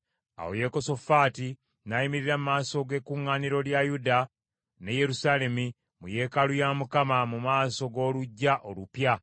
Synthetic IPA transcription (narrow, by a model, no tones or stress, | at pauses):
a̰wo̰je̞ko̞so̞faːti | najimiɾiɾamumaːso̞ɡe̞ːkuŋːaːniɾo̞ljajuda | ne̞je̞ɾusaːle̞mi | muje̞ːkalujaːmukamamumaːso̞ɡo̞ːluɟːaʔo̞lupja